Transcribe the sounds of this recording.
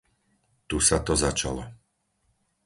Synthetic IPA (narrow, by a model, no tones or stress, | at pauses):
t̪usat̪ɔzat͡ʃa̰lɔ